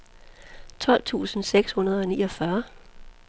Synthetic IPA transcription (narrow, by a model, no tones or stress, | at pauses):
t͡sʰɒ̽l̰t͡sʰṵːsn̩seɡ̥shunɐð̞ˠɒ̽nḭːɒfɶɐ